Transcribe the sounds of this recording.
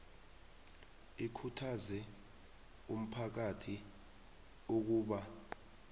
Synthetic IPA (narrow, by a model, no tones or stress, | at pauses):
ikʰutʰazɛ | um̩pʰak̬atʰi | uk̬uːɓa